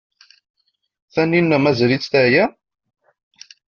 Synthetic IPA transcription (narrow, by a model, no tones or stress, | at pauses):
θænːinːæmæzɾit͡sːt̪æʕjæ